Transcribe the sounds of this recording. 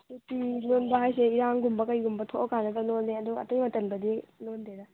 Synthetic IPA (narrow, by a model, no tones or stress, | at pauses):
tutinonbɐɦajseiɾaŋɡumbɐkɐjɡumbɐtʰoʔɔkanɐɡɐnondeɐduɐ̰tɐjmɐtɐnbɐdinondeɾɐ